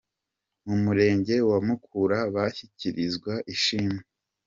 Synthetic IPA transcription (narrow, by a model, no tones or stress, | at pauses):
mumuɾe̞ːɲɟe̞wamukʰuɾaβaçiciɾizɡwaʔiʃiːme